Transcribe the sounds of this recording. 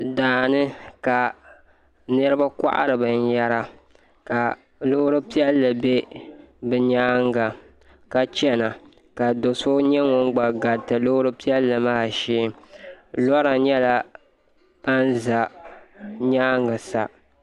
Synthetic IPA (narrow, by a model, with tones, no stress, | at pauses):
daː˨nɨ˦ka˨ | nɨ˦ɾɨ˦ba˦ka̰˦ʔa̰˦ɾɨ˨bɨ˨n˦jɛ˦ɾa˦ | ka˨ | lo˦hʊ˦ɾɨ˦pi˦ɛ˦lːɨ˨be˦bɨ˨ɲaː˦ŋɡa˨ | ka˨t͡ʃɛ˦na˨ | ka˨do˨so˦ɲɛ˦ŋo˦ŋ˦ɡ͡ba˨ɡa˨tɨ˨lo˦ʊ˦ɾɨ˦pi˦ɛ˦lːɨ˨ma˦˨ʃeː˦ | lɔ˦ɾa˨ɲɛ˦la˦ | pa˦nza˨ | ɲaː˦ŋɡɨ˨sa̰˨